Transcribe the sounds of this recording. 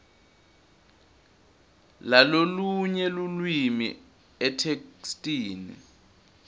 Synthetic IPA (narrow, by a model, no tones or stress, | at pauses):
laloluɲɛlulwimḭ | ɛtʰekstʼiːnḭ